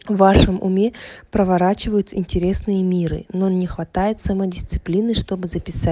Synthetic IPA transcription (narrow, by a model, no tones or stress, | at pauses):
vːaʂəmʊ̰mʲe̞pɾəvɐɾat͡ɕɪvəjʊt̪ɪnʲtʲɪɾʲe̞snɨjəmʲiɾɨ̰nonnʲɪxvɐt̪ajɪt̪sɐməjdʲɪst̪sɨ̥plʲinəjʂt̪o̞bɨzəpʲɪsa